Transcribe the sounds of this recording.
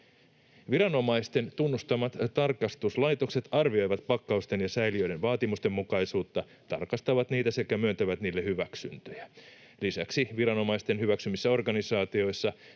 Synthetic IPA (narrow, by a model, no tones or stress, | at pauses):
ʋiɾɑno̞mɑjst̪e̞nt̪unːust̪ɑmɑt̪t̪ːɑrkɑst̪uslɑjt̪o̞kse̞t̪ɑrʋio̞jʋɑt̪pɑkːɑust̪e̞njɑsæjliø̞jdɾe̞nʋɑːt̪imust̪e̞mːukɑjsuːt̪ːɑ | t̪ɑ̰rkɑst̪ɑʋɑt̪niːt̪æse̞kæmyønt̪æʋæt̪niːlːehyʋæksy̰nt̪øjæ | lisæksiʋiɾɑno̞mɑjst̪e̞nɦyʋæksymisːæo̞rɡɑnisɑːt̪io̞jsːɑ